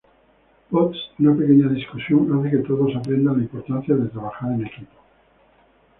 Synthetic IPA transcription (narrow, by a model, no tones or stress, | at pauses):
pot̪sunape̞keɲaðiskusjoŋaθeket̪oðosapɾẽ̞nd̪ãnlaimpo̞ɾt̪anθjaðe̞t̪ɾaβ̞axaɾene̞kipo̥